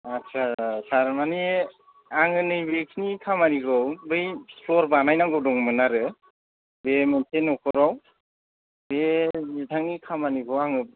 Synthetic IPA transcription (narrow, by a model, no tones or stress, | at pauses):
asʰasʰaɾmani | aŋɯnɯjbekʰinikʰamaniɡɯwbɯjpʰlɔɾbanajnaɡɔwdɔŋmɯnaɾɯ | bementʰenːɔkʰɔɾaw | bezitʰaŋnikʰamaniɡɯwaŋɯ